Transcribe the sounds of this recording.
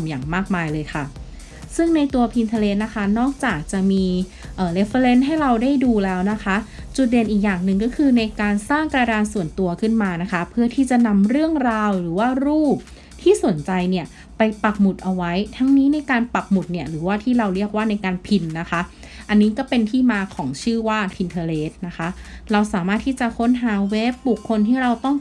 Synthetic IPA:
mja̰ː˨˩ŋmaː˥˩k̚maː˧jlɤː˧jkʰa˥˩ | sɯ˥˩ŋna˧jt̪u˧ɐpʰi˧nt̪ʰa˧le˦˥t̪̚na˦˥kʰa˦˥nɔː˥˩k̚t͡ɕaː˨˩k̚t͡ɕa˨˩miː˧ | ʔəː˨˩le˦˥fə˧le˦˥nɦa˥˩jɾa˧wda˥˩jduː˧lɛː˦˥wna˦˥kʰa˦˥t͡ɕu˨˩t̪̚de˧nʔiː˨˩k̚jaː˨˩ŋnɯ˨˩ŋkɔː˥˩kʰɯː˧na˧jkaː˧nsaː˥˩ŋkɾa˧daː˧nsu˨˩ənt̪u˧ɐkʰɯ˥˩nmaː˧na˦˥kʰa˦˥pʰɯ˥˩ɐt̪ʰiː˥˩t͡ɕa˨˩na˧mɾɯ˥˩əŋɾaː˧wɾɯː˩˦waː˥˩ɾuː˥˩p̚ | t̪ʰiː˥˩su˨˩˦nt͡ɕa˧jni˥˩ə | pa˧jpa˨˩k̚mu˨˩t̪̚ʔa˧wa˦˥jt̪ʰa˦˥ŋniː˦˥na˧jkaː˧npa˨˩k̚mu˨˩t̪̚ni˥˩əɾɯː˩˦waː˥˩t̪ʰiː˥˩ɾa˧wɾi˥˩ək̚waː˥˩na˧jkaː˧npʰi˧nːa˦˥kʰa˦˥ | ʔa˧nːiː˦˥kɔː˥˩pe˧nt̪ʰiː˥˩maː˧kʰɔː˩˦ŋt͡ɕʰɯː˥˩waː˥˩t̪ʰi˧nt̪ʰaː˧leː˦˥t̪̚na˦˥kʰa˦˥ɾa˧wsaː˨˩˦maː˥˩t̪ʰːiː˥˩t͡ɕa˨˩kʰo˦˥nɦaː˩˦we˦˥p̚bu˨˩kʰːo˧nt̪ʰiː˥˩ɾa˧wt̪ɔ˥˩ŋ

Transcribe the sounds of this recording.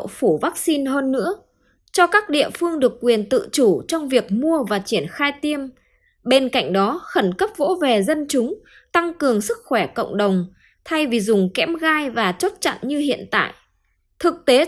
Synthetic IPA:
fu˧˩vaː˦˥k̚si˧nɦəː˧nːɨ̰˧˥ə | t͡ɕɔ˧kaː˦˥k̚ɗḭ˧˨əfɨ˧əŋɗɨ˨˩əkːwi˨˩ənt̪ɨ̰˧˨t͡ɕu˧˩t͡ɕɔ˧wŋ͡mvi˨˩ək̚mu˧əvaː˨˩t͡ɕi˧˩ənxaː˧jt̪i˧əm | ɓe˧nka̰˧˨jŋ̟ɗɔ˨˦xə˧˩nkə˦˥p̚vo̰˧˥ve˨˩zə˧nt͡ɕʊ˨˦ŋ͡m | t̪a˧ŋkɨ˨˩əŋsɨ˦˥k̚xwɛ˧˩kə̰˧˨wŋ͡mɗə˨˩wŋ͡m | t̪ʰa˧jvi˨˩zʊ˨˩ŋ͡mkɛ˧˨˥mɣaː˧jvaː˨˩t͡ɕo˦˥t̚t͡ɕa̰˧˨nɲɨ˧ɦḭ˧˨ənt̪a̰ː˧˨jʔ | t̪ʰɨ˨˩k̚t̪e˨˦

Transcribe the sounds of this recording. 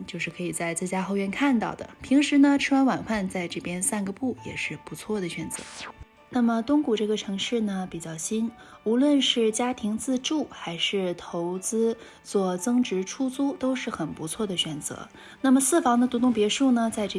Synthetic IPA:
t͡ɕjo˥˧ʊʂɻ̩˥˩kʰɤ˧˥i˨˩t͡sa˥˧ɪt͡sɹ̩˥˩t͡ɕja˥xo˥˧ʊɥɛ˥˧nkʰa˥˧nt̪ɑ˥˩ʊd̪ə̰˩pʰi˧˥ŋʂɻ̩˧˥nə˧ʈ͡ʂʰɻ̩˥wa˥nwa˨˩nxfa˥˧nt͡sa˥˧ɪʈ͡ʂɤ˥˩pjɛ˥nsa˥˧nɡə˩pu˥˩jɛ̰˨˩ʂɻ̩˥˩pu˧˥t͡sʰwɔ˥˩d̪ə˩ɕɥɛ˨˩nt͡sɤ̰˧˥ | na˥˩mə˩t̪ʊ˥ŋku˨˩ʈ͡ʂɤ˥˩ɡə˩ʈ͡ʂʰɤ˧˥ŋʂɻ̩˥˩nə˩pi˨˩t͡ɕjɑ˥˩ʊɕi˥n | u˧˥lwə˥˧nʂɻ̩˥˩t͡ɕja˥t̪ʰi˧˥ŋt͡sɹ̩˥˧ʈ͡ʂu˥˩xa˧˥ɪʂɻ̩˥˩t̪ʰo˧˥ʊt͡sɹ̩˥ | t͡swɔ˥˩t͡sɤ˥ŋʈ͡ʂɻ̩˧˥ʈ͡ʂʰu˥t͡su˥t̪o˥ʊʂɻ̩˥˩xə˨˩npu˧˥t͡sʰwɔ˥˩d̪ə˩ɕɥɛ˨˩nt͡sɤ̰˧˥ | na˥˩mə˩sɹ̩˥˩fɑ˧˥ŋd̪ə˧t̪u˧˥t̪ʊ˥˩ŋpjɛ˧˥ʂu˥˩nə˩t͡sa˥˧ɪʈ͡ʂ

